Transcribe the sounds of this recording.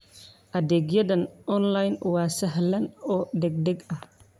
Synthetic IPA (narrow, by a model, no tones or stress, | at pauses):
ʔɐd̪ɛɡjɐdɐnɔnlajnwaːsɐɦlɐnɔːd̪ɛɡ̚d̪ɛɡɐh